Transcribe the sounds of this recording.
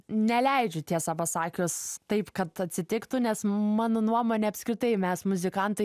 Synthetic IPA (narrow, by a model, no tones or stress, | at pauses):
nʲɛlʲɛɪd͡ʒʲʊt̪ʲiɛsɑpɐsɑːkʲost̪ɐɪpkɐt̪ɐt̪ʲsʲɪt̪ʲɪkt̪ʊnʲɛsmɑːnoːnuɔmoːnʲeːɐpʲsʲkɾʲɪt̪ɐɪmʲɛsmʊzʲɪkɐnt̪ɐɪ